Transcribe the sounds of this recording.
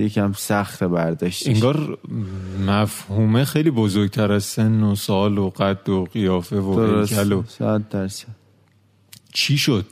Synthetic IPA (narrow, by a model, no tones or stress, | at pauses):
jecʰæmsæxt̪ʰebæɾd̪ɒːʃt̪iŋɡɒːɾ | mæfhuːmexejliːbo̞zo̞ɾɟ̚t̪ʰæɾæzse̞nːosɒːloɢæd̪ːoɣijɒːfe̞vooɾeosælosæd̪ːæɾsæd̪̥ | t͡ʃʰiːʃo̞d̪̥̚